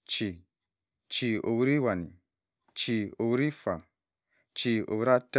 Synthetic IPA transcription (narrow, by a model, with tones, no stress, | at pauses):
t͡ʃi˨ | t͡ʃi˨o̰˨wu˦ɾi˦wa˨ni˨ | t͡ʃi˨o˨wu˦ɾi˦fa˨ | t͡ʃi˨o̰˨wu˦ɾa˦t